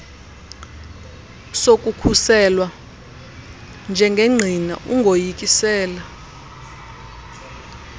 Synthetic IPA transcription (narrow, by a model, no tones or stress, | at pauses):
sokʼukʰusɛlwa | nd͡ʒʱɛŋɡʱeŋ͡ǀʱina̰ʔuŋɡʱojikʼisɛːla